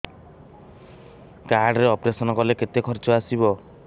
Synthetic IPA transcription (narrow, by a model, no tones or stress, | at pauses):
kaɾɖɾeɔpɾesɔnɔkɔleket̪ekʰɔɾt͡ʃɔasibɔ